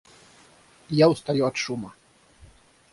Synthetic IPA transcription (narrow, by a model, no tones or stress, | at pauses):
jawst̪ajuɐt̪ʂumɐ